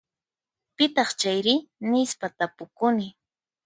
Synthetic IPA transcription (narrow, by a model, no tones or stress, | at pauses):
pɪt̪ɑχt͡ʃajɾɪnɪspat̪apʊkʊnɪ